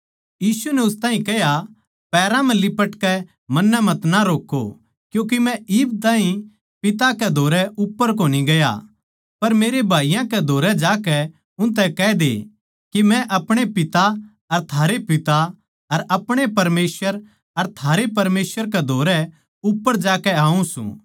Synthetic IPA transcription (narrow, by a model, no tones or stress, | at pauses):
jiːsunɛʊst̪ãːɦĩkɛɦja | pɛːɾãmɛ̃lɪpəʈkɛ | mɐnːɛmɐ̃t̪naɾoːkːo̰ | kjũːk̬imɛ̃ɪːbt̪̬ãːɦĩ | pɪt̪akɛd̪ʱoːɾɛʔʊpːəɾkoːniɡɐja̰ | pɐɾmeːɾebʱaːijãkɛd̪ʱoːɾɛd͡ʒaːkɛ | ʊ̃nt̪ɛkɛd̪ḛ | kimɛ̃ʔɐpɽ̃epɪt̪a | ɐɾt̪ʰaːɾepɪt̪a | ɐɾɐpɽ̃epɐɾmeːsəɾ | ɐɾt̪ʰaːɾepɐɾmeːswəɾk̬ɛd̪ʱoːɾɛ | ʊpːəɾd͡ʒaːkɛaːũsṵ̃ː